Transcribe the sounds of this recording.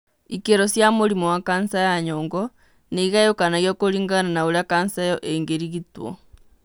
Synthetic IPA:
ikeɾosjamoɾimowakansajaɲɔːŋɡɔ | neiɣajokanaɣjokoɾiŋɡananaoɾakansajɔʔeŋɡeɾiɣitwɔ̰

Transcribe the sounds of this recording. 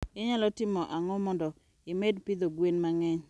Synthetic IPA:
ɛɲalɔtɪmɔʔaŋɔmɔndɔ | ɪmedpid̪oɡwenmaŋɛɲ

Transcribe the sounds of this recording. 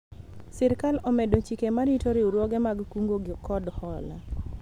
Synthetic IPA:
sɛɾkalɔmɛdot͡ʃikemaɾitoɾɪuɾwɔɡɛmaɡkuŋɡoɡɪkɔdhɔla̰

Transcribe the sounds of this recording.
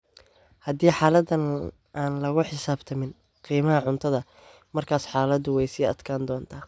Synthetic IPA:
hɐd̪iːħaːlɐd̪ɐn | aːnlɐɣʊħɪsaːbt̪ʰɐmɪn | qiːmɐɦɐʕʊnt̪ʰɐðɐ | mɐrkʰaːsħaːlɐðʊwɛjsiːɐ̰d̪kʰaːnd̪ɔːnt̪ʰaː

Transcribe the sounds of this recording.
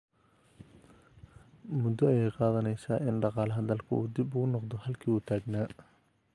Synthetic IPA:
mʊd̪ɔjɛjqɑːðɐnɛjsaːʔɪnɖɑqɑːlɐɦɐðɐlkʰʊ̰uːd̪ibʊɣʊnɔqd̪ɔhɐlkʰiːuːt̪ʰaːɡnaː

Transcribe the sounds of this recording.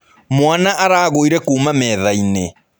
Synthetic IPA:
mwanaʔaɾaːɣoiɾɛkuːmamɛːðaine

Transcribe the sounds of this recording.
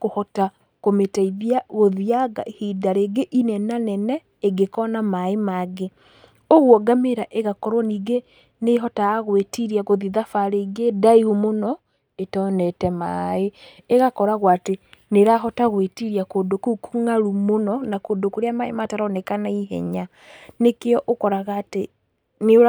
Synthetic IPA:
kohɔta | kometaiðiaɣoðiaɡa̰hidaɾeːɡeʔinɛnanɛnɛː | ɡekɔnamaemaɡe | oɣwɔɡameɾaʔeɣakɔɾwɔniːɡe | neɦɔtaːɣwetiɾiaɣoðiðafaɾeɡedaihumonɔ | etɔnɛtɛma̰eeɣakɔɾaɣwateneɾaɦɔtaɣwetiɾiakoːndokukuŋaɾumonɔnakoːndokoɾeamaemataɾɔnɛkanaiɦɛ̰ɲa | nekeɔʔokɔɾaɣate | ne

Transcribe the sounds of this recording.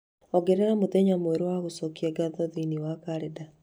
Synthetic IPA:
ɔɡeɾɛamoðeɲamoeɾowaɣosɔkiɛɡaðɔðiniwakaɾeda

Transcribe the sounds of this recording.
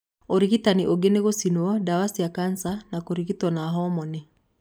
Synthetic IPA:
oɾiɣitaniʔoɡeneɣosinuɔdawasiakansanakoɾiɣitɔnaɦɔmɔni

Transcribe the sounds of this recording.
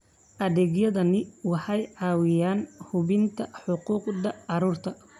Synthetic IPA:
ʔɐðɛːɡjɐðɐnɪwɑħɑjʕɑːwɪjaːnhʊβɪnt̪ʰɐħʊquːqðɐʕɑɾuːrt̪ʰɐ

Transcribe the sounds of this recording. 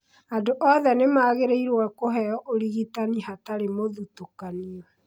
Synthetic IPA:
andoʔɔðɛnemaːɣeɾeiɾwɛkoɦɛjɔʔoɾiɣitanihataɾemoðutokaniɔ

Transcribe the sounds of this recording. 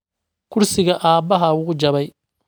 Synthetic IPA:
kʰʊrsɪɣɐʔaːbɐɦɐʊɣʊd͡ʒɐβɛj

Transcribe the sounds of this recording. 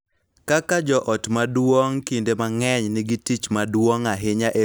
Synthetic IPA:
kakad͡ʒɔʔɔtmadwoŋkindemaŋɛɲnɪɡitit͡ʃmadwoŋaɦɪɲaʔe

